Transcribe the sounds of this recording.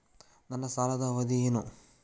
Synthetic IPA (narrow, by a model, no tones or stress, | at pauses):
nɐnːɐsaːlɐd̪ɐʋɐd̪ijeːnu